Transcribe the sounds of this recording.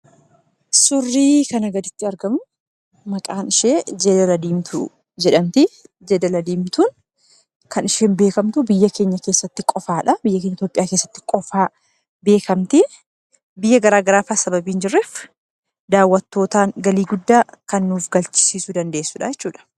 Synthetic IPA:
sʊrːiːkɐnɐɡɐd̪ɪt̪ːɪɐɾɡɐmʊ | mɐkʼaːnɪʃeːd͡ʒeːd̪ɐlɐd̪iːmt̪ʰʊ | d͡ʒɛᶑɐmt̪ɪ | d͡ʒeːd̪ɐlɐd̪iːmt̪uːn | kʰɐnɪʃeːnbe̞ːkɐmt̪ʊbɪjːɐke̞ːɲːɐkeːsːɐt̪ːɪkʼɔfaːᶑɐbɪjːɐkeːɲːɐɪt̪joːpʼɪjaːkeːsːɐ̥t̪ːɪ̥kʼɔfaː | be̞ːkɐmt̪ɪ | bɪjːɐɡɐɾaːɡɐɾaːfaːsɐbɐbiːnd͡ʒɪrːeːf | d̪aːwːɐt̪ːo̞ːt̪aːnɡɐliːɡʊd̪ːaːkɐnːuːfɡɐlt͡ʃɪ̥siːsʊd̪ɐnd̪e̞ːsːʊᶑɐjɛt͡ʃːuːᶑɐ̥

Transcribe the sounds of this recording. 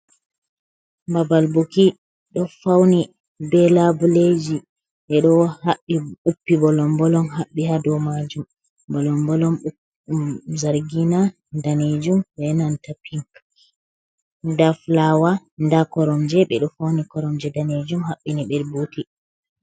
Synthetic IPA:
babalboki | ɗɔfawni | bɛlabuled͡ʒi | ɓɛɗɔwhaɓːiɓupːibɔlɔmbɔlɔnɦaɓːihadɔmad͡ʒum | bɔlɔmbɔlɔm | zaɾɡina | daned͡ʒumbɛnantapiŋk | daflawa | ndakɔɾɔmd͡ʒɛɓɛɗɔfawnikɔɾɔmd͡ʒɛdaned͡ʒumhaɓːiniɓɛɾbuti

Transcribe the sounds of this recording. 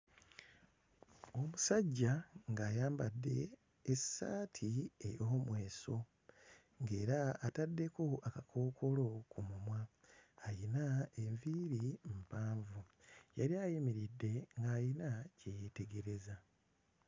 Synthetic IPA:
o̞musaɟːaŋɡaːjaːmbadːe̞̰ː | saːtʰiḛjoːmwe̞ːso̞ | ŋɡe̞ːɾaːtadːe̞ko̞akakʰo̞ːkʰo̞lo̞kumumwaːjinaeɱviːɾim̩paːɱvujaɾiajimiɾidːe̞ŋɡaːjinacejete̞ɡe̞ɾe̞za

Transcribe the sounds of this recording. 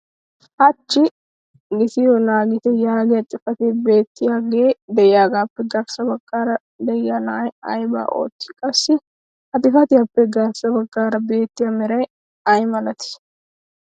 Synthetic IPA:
ʔɐt͡ʃːɪ | ɡɪt̪ɪjonaːɡɪt̪ɛjaːɡɪjɐt̪ʼːɪfɐt̪eːbe̞ːt̪ːɪjaːɡeːd̪ɛjɪjaːɡaːpːɛɡɐɾsɐbɐɡʼːaːɾɐ | d̪ɛjːɐnɐjɐ̰jba̰ːʔo̞̰ːt̪ːɪ̥kʼɐsːɪ | ʔɐt̪ʼɪfɐt̪ɪjɐpːɛɡɐɾsɐbɐɡʼːaːɾɐbe̞ːt̪ːɪjɐmɛɾɐj | ɐjmɐlɐt̪ɪ̥s

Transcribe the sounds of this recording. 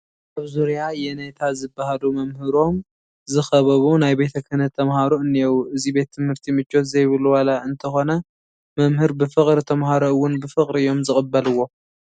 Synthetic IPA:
ʔaβzuɾjajɛnet̪ʰazɨbːahalumɐmhɨɾo̞m | zɨxɐβɐβunajbe̞t̪ʰɐkʰɨnɐt̪ʰːɐmhaɾoɨnːijowʔɨzibe̞t̪ʰːɨmhɨɾt̪ʰimɨt͡ʃʼːo̞t̪zɐjβɨluwalaɨnt̪ʰɐxo̞nɐ | mɐmhɨɾbɨfɨχʼɾit̪ʰɐmhaɾoɨwːʊnbɨfɨχʼɾiɨjo̞mzɨχʼɨbːɐlɨwːo̞

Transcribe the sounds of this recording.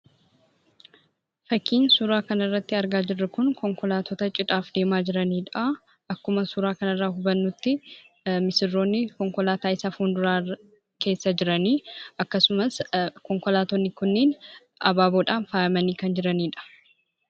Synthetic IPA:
fɐkːiːnsuɾaːkɐnɐrːɐt̪ːɪɐɾɡaːd͡ʒɪrːɐkʊnkɔŋkɔlaːt̪ɔt̪ɐt͡ʃʼɪᶑʼaːfd̪e̞ːmaːd͡ʒɪɾɐniːᶑɐɐ | ʔɐkːʊmɐsuɾaːkɐnɐrːaːɦʊbɐnːʊt̪ːɪ | mɪsɪrːo̞ːnːɪkɔŋkɔlaːt̪aːɪsafuːnd̪ʊɾaː | ke̞ːsːɐd͡ʒɪɾɐniːʔɐkːɐsʊmɐskɔŋkɔlaːt̪ɔnːɪkʊnːeːn | ʔɐ̰baːboːᶑaːnfaːʔɐmɐniːkɐnd͡ʒɪɾɐniːᶑɐ̥

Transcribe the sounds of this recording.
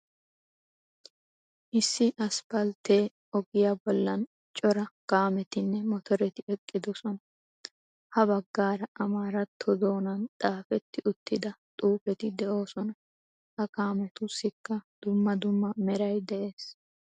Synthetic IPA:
ʔɪsːɪʔɐsbɐlt̪eː | ɔɡɪjabɔlːɐn | t͡ʃʼɔɾɐkaːmɛt̪ɪnːɛmɔt̪ɔɾɛt̪ɪɛkʼːɪd̪ɔsɔnɐ | hɐbɐɡːaːɾɐʔɐmaːɾɐt̪ʰːɔd̪o̞ːnɐnt̪ʼaːfɛt̪ːɪʊt̪ːɪd̪ɐt̪ʼuːfɛt̪ɪd̪ɛʔo̞ːsɔnɐ | hɐkaːmɛt̪ʊsːɪkːɐd̪̥ʊmːɐd̪ʊmːɐmɛɾɐjd̪ɛʔe̞ːs

